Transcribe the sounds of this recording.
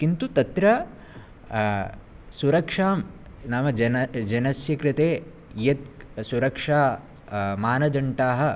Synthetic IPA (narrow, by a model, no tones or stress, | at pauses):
kint̪ut̪ɐt̪ɾɐ | suɾɐkʂaːm | nɐmɐd͡ʒd͡ʒɐnɐsjɐkɾɪt̪eː | jɐt̪̚suɾɐkʂaː | maːnɐd͡ʒ̪ɐɳʈaːɦɐ̆